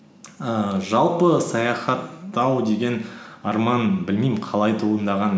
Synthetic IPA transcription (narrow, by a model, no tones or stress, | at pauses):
əʒɑlˠpəsɑjɑχɑt̪ːɑwd̪e̞ɡʲe̞nɑɾmɑnbɪlmijmɪqʰɑlˠɑjt̪ʰuənd̪ɑʁɑn